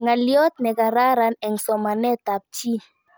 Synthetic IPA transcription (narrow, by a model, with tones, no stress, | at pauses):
ŋa˨ljɔ˦t̪̚nɛ˨ka˨ɾa˦ɾa˨nɛ˨ŋsɔ˨ma˨nɛ˦t̪a˨p̚t͡ʃi˦